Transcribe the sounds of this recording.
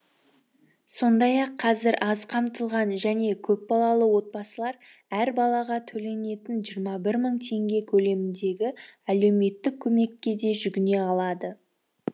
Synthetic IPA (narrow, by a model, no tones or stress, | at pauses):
so̞nd̪ɑjɑqʰːɑzɪɾʔɑzqʰɑmt̪əlˠʁɑnʒæne̞kʲʰɵpbɑlˠɑlˠəwo̞t̪̚bɑsəlˠɑɾ | æɾbɑlˠɑʁɑt̪ʰɵle̞ne̞t̪ɪnʒijɾmɑbɪɾməɴt̪ʰe̞ŋɡʲe̞kʲʰɵle̞mɪnd̪e̞ɡʲɪæle̞wme̞t̪ːɪkʲʰːɵme̞kʲːe̞d̪e̞ʒʏɡʲɪne̞ɑlˠɑd̪ə